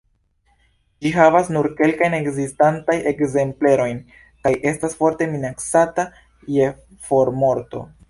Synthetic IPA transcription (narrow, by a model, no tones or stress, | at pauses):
d͡ʒiɦavasnuɾke̞lkajne̞kzistantaje̞kze̞mple̞ɾo̞jn | kajʔe̞stasfo̞ɾte̞minaksata | je̞ | fo̞ɾmo̞ɾto̞̰